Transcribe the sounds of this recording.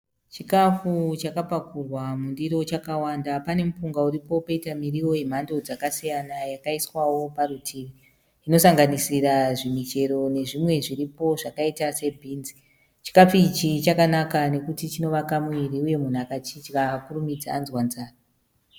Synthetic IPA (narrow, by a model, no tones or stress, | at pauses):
t͡ʃikafut͡ʃakapakurwamundiɾo̞t͡ʃakawandapane̞mupuŋɡauɾipo̞paitamiriwo̞em̤ando̞d͡zakasijanajakaiswawo̞parutʰiʋi | ino̞saŋɡanisiɾaʐimit͡ʃe̞ɾo̞ne̞ʐimwe̞ʐiripo̞ʐakaitase̞bʱiːnzi̥ | t͡ʃi̥kafit͡ʃit͡ʃakanakane̞kutit͡ʃino̞ʋakamwiɾiuje̞mun̤akat͡ʃit͡ʃkakurumid͡zaːnzwanzaːra